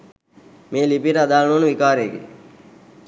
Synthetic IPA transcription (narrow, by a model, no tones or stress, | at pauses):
meːlipiɾəad̪aːlənuʋənəʋikaːɾeːɡḛ